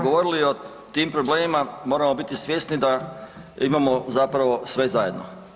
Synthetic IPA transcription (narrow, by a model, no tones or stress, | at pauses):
ɡoʋo̞ɾilio | t̪iːmpɾobleːmimamo̞ːɾamo̞bit̪isʋje̞st̪nid̪a | imamo̞zapɾaʋo̞sʋe̞zajed̪no̰